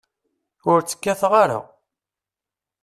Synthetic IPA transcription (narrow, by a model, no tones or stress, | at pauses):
ʊɾt͡sːə̥kːæθʁaɾa̰